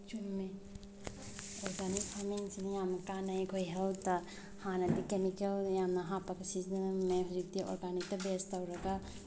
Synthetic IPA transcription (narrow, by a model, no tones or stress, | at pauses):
t͡ʃunme | ɔɾɡanispʰamiŋsinɐjamnɐkanajkʰojɦeltɐ | hanɐtikemikeljamnɐɦapɐkɐsisemːeɾik̚diʔɔ̰ɾɡanik̚tɐbestɐwɾɐɡa